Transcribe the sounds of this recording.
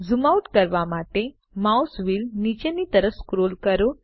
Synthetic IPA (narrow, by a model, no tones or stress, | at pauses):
zumauʈkəɾʋamaʈe | mausʋiːlnit͡ɕenit̪əɾəfskɾolkəɾo